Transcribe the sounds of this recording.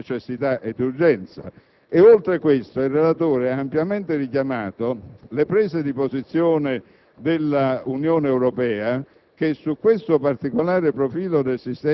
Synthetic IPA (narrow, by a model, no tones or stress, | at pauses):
t͡ʃesːit̪aʔed̪ːurd͡ʒɛnt̪sa̰ | eolt̪ɾekwest̪oirːelat̪oːɾeaːmpjament̪ɪrikjamaːt̪olepɾɛːsed̪ipozit̪sːjoːnɪ | d̪elːaunjoːneːwɾɔpɛːa | k̟esːukːwest̪opart̪ikolaːɾepɾofiːlod̪elsist̪ɛ